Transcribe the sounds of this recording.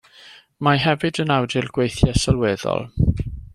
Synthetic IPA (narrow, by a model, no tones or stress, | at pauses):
maɦɛvɨdənawdɪlˠɡ̥wejθjasalˠwɛːðɔ̰lˠ